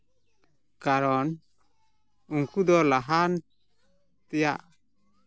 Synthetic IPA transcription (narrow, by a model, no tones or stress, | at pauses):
kaɾɔn | uŋkud̪ɔlaɦan | t̪ɛja̰ʔ